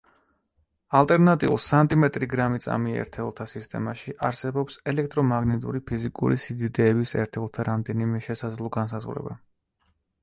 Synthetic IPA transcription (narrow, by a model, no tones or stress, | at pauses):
alˠt̪ʼɛɾnat̪ʼḭṵlˠsant̪ʼimɛt̪ʼɾiɡɾamit̪sʼa̰miɛ̰ɾt̪ʰɛlˠt̪ʰasist̪ʼɛ̰maʃiʔaɾsɛbɔpsɛlɛk̚ʰt̪ʼɾɔmaɡnɛt̪ʼṵɾipʰizikʼṵɾisid̪id̪ɛːbisɛ̰ɾt̪ʰɛlˠt̪ʰaɾamd̪ɛnimɛʃɛsad̪zlˠɔɡans̬azʁɾɛ̰ba